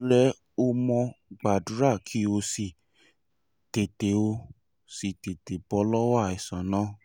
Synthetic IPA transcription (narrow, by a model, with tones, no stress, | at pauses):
ɾɛ˦ | o˧mɔ̃˧ɡ͡ba˨du˨˦ɾa˦˨kʰi˨˦o˧si˨ | te˨te˨o˧ | si˨te˨te˨bɔ˧˦lɔ˦wa˦˨i˨sã˨nã˦